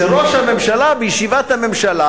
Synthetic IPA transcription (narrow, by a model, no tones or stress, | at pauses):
eʁoʃhamemʃalabejʃivat̪hamemʃala